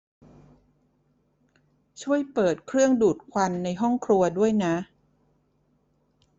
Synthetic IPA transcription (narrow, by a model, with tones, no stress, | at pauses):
t͡ɕʰu˥˩əjpɤː˨˩t̪̚kʰɾɯ˥˩əŋduː˨˩t̪̚kʰwa˧nːa˧jɦɔ˥˩ŋkʰɾu˧ɐdu˥˩əjna˦˥ʔ